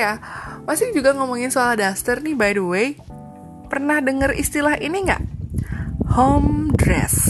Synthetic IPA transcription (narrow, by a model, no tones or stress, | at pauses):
jamasɪŋd͡ʒuɡaŋomɔŋɪnsoalahdast̪ərnibajdəwej | pərnahdəŋərḭst̪ilahiniŋɡa̰ʔ | homdɾɛ̰s